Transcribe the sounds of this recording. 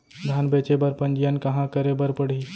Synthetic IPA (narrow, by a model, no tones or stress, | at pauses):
d̪ʱanbeːt͡ʃebəɾpənd͡ʒijənkɐɦãkəɾebəɾpəɽ̤i